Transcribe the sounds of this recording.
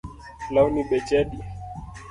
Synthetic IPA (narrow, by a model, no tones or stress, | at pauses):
launiɓɛt͡ʃɛɗi